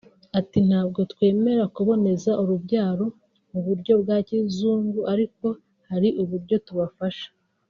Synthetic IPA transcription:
atin̥haːb̚ɡo̞tkwe̞ːme̞ɾakuβo̞ne̞zaʔuɾubɟaːɾo̞ | muβuɾɟo̞b̚ɡaːcizuːŋɡuʔaɾiko̞ | haɾiʔuβuɾɟo̞tuβafaʃḁ

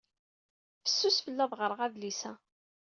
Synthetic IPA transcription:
fə̥sːusfəlːæðˤʁəɾˤəʁæðlisæ

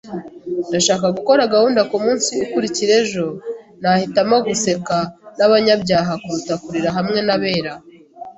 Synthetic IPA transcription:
ndaʃaːkaɡuko̞ɾaɡahuːndakumuːnsiukuɾiciɾe̞ʒo̞ | nahitamoɡuse̞kanaβaɲabɟaːɦakuɾutakuɾiɾaɦamŋe̞naβe̞ːɾa

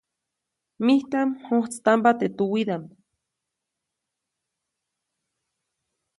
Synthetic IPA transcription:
miht̪amhoht͡sɨ̥t̪ampat̪et̪uwid̪ampa

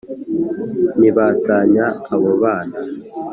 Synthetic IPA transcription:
niβaːtaːɲaːβoβaːna

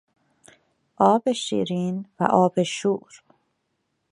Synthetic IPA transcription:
ʔɒːbeʃḭːɾiːnvæ̰ʔɒːbeʃuːɾ

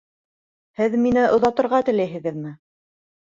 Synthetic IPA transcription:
hɘðminɘʔŏðɑt̪ɤ̆ɾʁɑt̪ɘ̆læjɦɘ̆ɣɘðmɘ

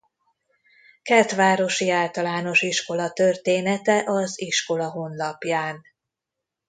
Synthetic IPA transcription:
kɛrt̪ʋaːɾo̞ʃiaːlt̪ɒlaːno̞ʃiʃko̞lɒt̪ø̞rt̪eːnɛt̪ɛʔɒziʃko̞lɒɦo̞nlɒpjaːn

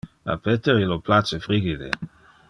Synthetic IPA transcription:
a̰pet̪eɾiloplat͡ʃefɾiɡid̪ḛ

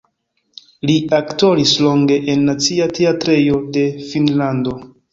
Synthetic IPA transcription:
liakto̞ɾislo̞ŋɡe̞ʔenːat͡siatʰeatɾe̞jo̞de̞finlando̞

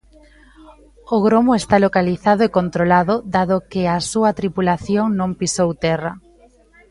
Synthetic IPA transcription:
oɣɾomoest̪alokaliθaðoekont̪ɾolaðʊðaðokeasuɐt̪ɾipulaθjoŋnõmpisowt̪ɛrɐ

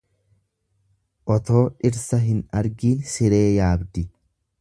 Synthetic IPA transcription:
ʔɔt̪o̞ːᶑɪɾsɐɦɪnɐɾɡiːnsɪɾe̞ːjaːbd̪ɪ

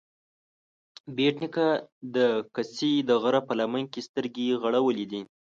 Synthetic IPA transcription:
beʈnɪkad̪əkasid̪əɣəɾapəlamankest̪əɾɡeɣaɽawəlid̪i

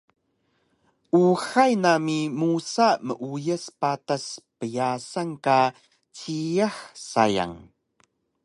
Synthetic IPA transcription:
ʔuxajnamimusaməʔujəspataspəjasaŋka | t͡sijaxsa̰ja̰ŋ

